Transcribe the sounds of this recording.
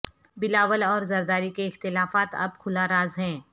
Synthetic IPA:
bɪlaːʋəlɔːɾzɐɾd̪aːɾikeɪxt̪ɪlaːfaːt̪ɐ̰b̚kʰʊlaɾaːzɦɛ̃ː

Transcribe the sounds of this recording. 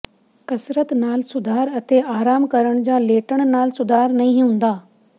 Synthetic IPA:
kɐsɾət̪naːlsʊd̪ʱaːɾɐt̪ʰeaːɾaːmkɐɾəɽ̃d͡ʑaːleːʈəɽ̃naːlsʊd̪ʱaːɾnɐĩɦũːn̆d̪aː

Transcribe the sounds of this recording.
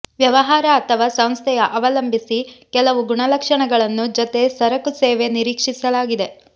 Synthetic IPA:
ʋjɐʋɐɦaːɾɐːt̪ʰɐʋaːsɐw̃st̪ʰɛjɐʔɐʋɐlɐmbʱisikɛlɐʋuɡuɳɐlɐkʂɐɳɐɡɐɭɐnːud͡ʒɔt̪e̞sɐɾɐkuseːʋe̞niɾiːkʂisɐlaːɡid̪e̞

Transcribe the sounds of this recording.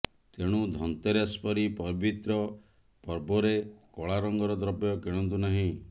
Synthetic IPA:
t̪eɽ̃ud̪ʱɔnt̪eɾaspɔɾipɔbit̪ɾɔ | pɔɾbɔɾekɔɭaɾɔŋɡɔɾɔd̪ɾɔpjɔkeɽ̃ɔnt̪unaɦĩ

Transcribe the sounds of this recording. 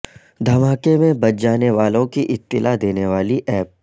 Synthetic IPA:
d̪ʱɐmaːkemẽbɐt̪̚d͡ʒaːneʋaːlõkiʔɪt̪ːɪlad̪eːneʋaːliʔɛːp̚

